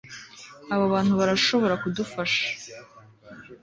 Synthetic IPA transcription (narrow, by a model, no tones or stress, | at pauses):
awawanwaɾaʂɨwaɾakʷʰdɨfaʂ